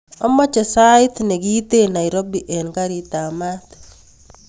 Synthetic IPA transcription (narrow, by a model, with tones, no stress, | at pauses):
ɔ˦mɔ˦t͡ʃɔ˨saɪt̪ne˨ɡi˦t̪e˦na˨jɾo˦biʔɛ˨nka˦ɾit̪a˨mat̪